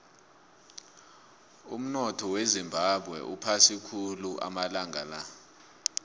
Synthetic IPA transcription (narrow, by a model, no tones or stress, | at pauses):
ṵm̩nɔtʰɔwezimbʱaɓʱwɛ̰ʔupʰasikʰuluʔa̰malaŋʱala